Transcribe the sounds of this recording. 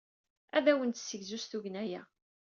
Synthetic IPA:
æðæwənt̪sːəʝzusθuʝənæjæ̰

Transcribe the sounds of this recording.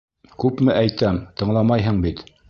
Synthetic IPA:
kʉpmɘʔæjt̪æmt̪ɤ̆ɴlˠɑmɑjɦɤɴbit̪

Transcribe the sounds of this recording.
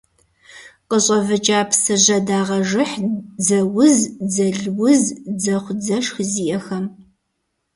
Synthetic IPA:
qəɕʼɐvɨt͡ʃʼaːpʰsɨʑɐdaːʁɐʐɨħd͡zɐwʊzd͡zɐɮwʊzd͡zɐχʷd͡zɐʂxziːjɛxɐm

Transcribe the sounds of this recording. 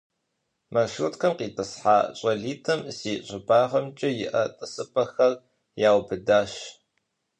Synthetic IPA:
mɐʃutkʰɐmqiːtʼɨsħaːɕʼɐɮiːtʰɐmsiːɕʼɪbaːʁɐmt͡ʃʼɪjɪʔɐtʼɨsɨpʰʼɐxɐr | jaːwbɨdaːʃ

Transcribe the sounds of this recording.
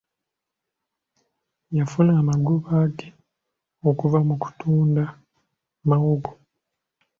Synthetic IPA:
jafunaːmaɡuβaːɡe | okuvamuku̥tuːnda | mawuɡo

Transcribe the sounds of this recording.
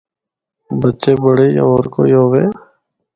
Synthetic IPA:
bətːʃeːbəɽeːja̰ːoːɾko̰ːjoːʋeː

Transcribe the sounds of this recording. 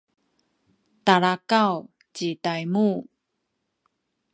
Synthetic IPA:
taɭakaw | t͡ɕitajmu

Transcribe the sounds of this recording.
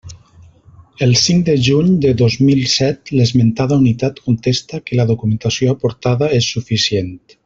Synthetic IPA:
elˠsiŋkd̪eʒuɲd̪eðozmilsɛt̪lezment̪aðaunit̪at̪kunt̪est̪akelaðokumẽnt̪asjoapoɾt̪aðaesːufisjent̪

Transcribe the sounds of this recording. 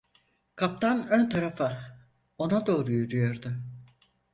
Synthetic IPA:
kʰap̚t̪ʰanønt̪ʰaɾafa | o̞nad̪o̞ːɾujyɾyjo̞ɾd̪ʊ

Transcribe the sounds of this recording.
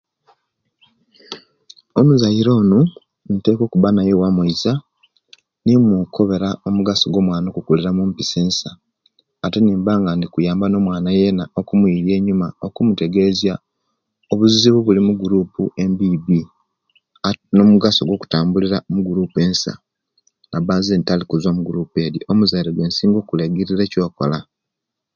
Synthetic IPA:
onuzajiɾo̞ːnu | nite̞ːko̞ːkuβanaje̞wamwuiza | nimukʰo̞βe̞ɾao̞muɡaso̞ɡwo̞ːmwaːnokukuliɾamumpiseːnsaː | te̞niːmbaːŋɡandikujaːmbano̞mwaːnajenaokumwiɾje̞ːɲumaokumute̞ɡe̞zja | oβuziβuβulimuɡuɾuːpuembibi | nomuɡaso̞ɡwo̞ku̥taːmbuliɾamuɡuɾuːpue̞ːnsa̰ | ŋabaːzeːntalikuzomuɡuɾuːpe̞ːdiʔo̞muzajiɾeɡwe̞ːnsiːŋɡoːkulaɡiɾiɾe̞co̞ːko̞̰la

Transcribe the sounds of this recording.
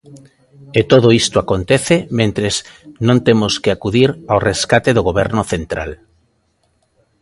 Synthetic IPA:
et̪oðoist̪oakont̪eθemẽnt̪ɾeznõnt̪emʊskeakuðiɾawreskat̪eðoɣoβɛɾnʊθent̪ɾa̰l

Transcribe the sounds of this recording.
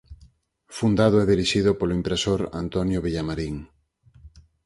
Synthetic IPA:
fund̪aðʊɛðiɾiʃiðʊpolʊimpɾesoɾa̰nt̪ɔnjoβiʎamaɾiŋ

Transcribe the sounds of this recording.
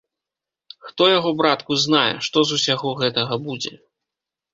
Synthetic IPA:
xt̪ɔjaɣɔbɾat̪kuznajɛ̰ʂt̪ɔzusʲaɣɔɣɛt̪ɐɣɐbud͡zʲɛ̰

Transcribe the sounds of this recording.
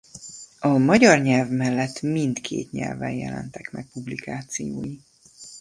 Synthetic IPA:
ɒmɒɟɒrɲɛlvmɛlːɛt̪ːmint̪kʰḛːt̪ɲɛ̰lvɛjjɛ̰lɛ̰nt̪ɛkmɛk̚publikaːt̪sijoːji

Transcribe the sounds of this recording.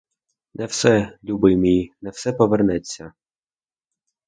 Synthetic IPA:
nʔɛwsɛlʲubɪmʲijnɛwsɛpɔʋernɛt͡sʲːɐ

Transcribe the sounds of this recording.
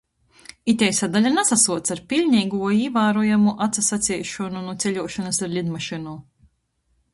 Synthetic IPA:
it̪ʲɛjsad̪alʲanasasuɔt̪saɾpʲilʲɲʲɛjɡuɔiːvaːɾujamuʔat̪sasat̪sʲiːʃɔnunut̪sʲɛʎʲuɔʃɔnasaɾlʲid̪maʃinu

